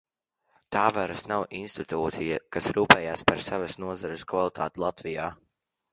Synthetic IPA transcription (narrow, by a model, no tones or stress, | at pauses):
t̪aːvaɾɐsnawʔinst̪it̪uːt̪sijakasɾuːpɛːjaːspaɾsavasnuɔzaɾɪskvalˠit̪ʰa̰ːt̪ilˠat̪vijaː